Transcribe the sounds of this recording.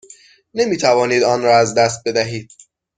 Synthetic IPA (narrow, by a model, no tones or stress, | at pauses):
nemiːt̪ʰævɒːniːd̪ɒːnɾɒːæzd̪æst̪̚be̞d̪æɦiːd̪̥̚